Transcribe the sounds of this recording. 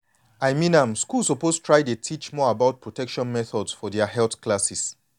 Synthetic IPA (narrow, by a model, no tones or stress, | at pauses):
ajmĩnãmskulsopostʰɹaɪdetʰit͡ʃmɔabaʊt̚pʰɹɔtʰɛkʃɔ̃nmɛθɔdsfɔdɛahɛlθkʰlasis